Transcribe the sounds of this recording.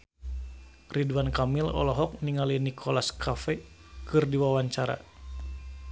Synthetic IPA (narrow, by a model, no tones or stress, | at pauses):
riduankamilɔ̰lɔɦɔk̚niŋalinikʰɔlaskʰafɛkɨrdiwawaɲt͡ʃaɾa̰